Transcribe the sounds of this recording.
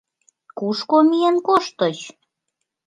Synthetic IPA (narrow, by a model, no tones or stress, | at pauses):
kuʃkomienkoʃt̪ət͡ɕ